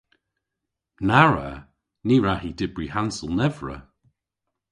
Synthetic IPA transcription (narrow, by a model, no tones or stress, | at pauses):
naɹə̰ | niːɹahidɪbɹihansəlˠnɛvɹə̰